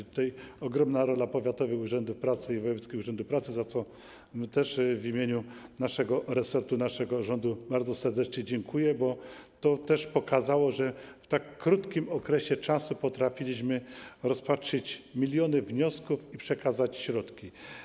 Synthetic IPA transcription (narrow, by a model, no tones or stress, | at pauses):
t̪u̥t̪ajɔɡɾɔmnaɾɔlapɔvʲjat̪ɔvɘxuʐɛnd̪ufpɾat̪sɘivɔjɛvɛt̪kʲixuʐɛnd̪ufpɾat̪sɘzat̪sɔ | t̪ɛʂvimʲjeɲunaʂɛɡɔɾɛsɛɾt̪unaʂɛɡɔʐɔnd̪ubaɾd̪zɔsɛɾd̪ɛt͡ʂɲɛd͡ʑɛŋkʰujɛbɔt̪ɔt̪ɛʂpɔkazawɔʐɛft̪akːɾut̪kʲimɔkɾɛɕɛt͡ʂasupɔt̪ɾafʲilʲiɕmɘɾɔspatʂɘt͡ɕmʲilʲjɔnɘvɲɔskufipʂɛkazat͡ɕɕɾɔt̪kʲi